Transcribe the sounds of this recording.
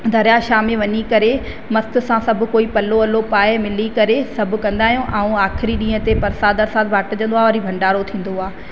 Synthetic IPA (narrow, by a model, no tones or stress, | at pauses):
d̪ʱɐɾjaʃaːmẽʋɐɲikɐɾe | mɐst̪ʊ̆sãsɐbʱʊ̆koːipɐloɐlopaːemɪlikɐɾesɐbʱʊ̆kɐ̃nd̪aːɦijõʔãũaːxɪɾiɗĩːə̃t̪epɐɾsaːd̪ɐɾsaːd̪̚bʱaːʈəd͡ʑɐ̃nd̪oaːʋɐɾibʱɐ̃ɳɖaːɾot̪ʰĩːn̆d̪oaː